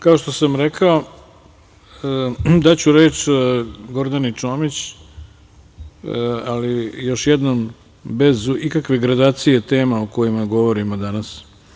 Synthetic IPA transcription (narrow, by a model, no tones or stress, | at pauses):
kao̞ʃt̪o̞samɾekʰao | d̪at͡ɕuɾeːt͡ʃ | ɡo̞ɾd̪anit͡ʃo̞ːmit͡ɕ | alijo̞ʃjed̪nom | be̞zuikakʋeɡɾad̪aːt̪sijet̪eːmaoko̞jimaɡo̞ʋo̞ɾimod̪anas